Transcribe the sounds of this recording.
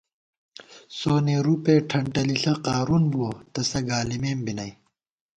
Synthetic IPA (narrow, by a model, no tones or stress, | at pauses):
soːneɾupeːʈʰɐɳʈɐliɬɐqaːɾunbuot̪ɐsɐɡaːlimeːmbinɐj